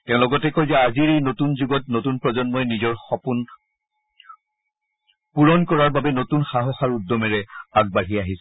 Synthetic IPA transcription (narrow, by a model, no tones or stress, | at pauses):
tɛ̃ʊ̃lɔɡɔtɛkojzɛaziɹejnotunzuɡɔtnotunpɹɔzɔnmɔjnizɔɹxɔpun | puɹɔnkɔɹaɹbabɛnotunxaɦɔxaɹudːɔmɛɹɛaɡ̚baɹɦiaɦis